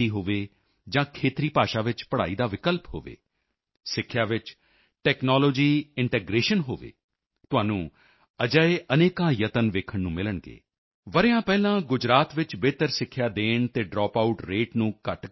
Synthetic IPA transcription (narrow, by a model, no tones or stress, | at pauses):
iːɦoːʋeː | d͡ʒãːkʰeːt̪ɾiːpaːʃaːʋɪt͡ʃpəɽaːiːd̪aːʋɪkəlpɦo̰ːʋḛː | sɪkʰːjaːʋɪt͡ʃ | ʈɛːknɔːloːd͡ʒiːɪɳʈeːɡɾeːʃənɦoːʋḛː | t̪ʊãːnũː | əd͡ʒaeʔəneːkãːjət̪ənʋeːkʰəɳnũːmɪləɳɡḛː | ʋəɾjãːpɛːlãːɡʊd͡ʒɾaːt̪ʋɪt͡ʃbeːt̪əɾsɪkʰːjaːd̪eːɳt̪eːɖɾɔːpaʊʈɾeːʈnũːkəʈ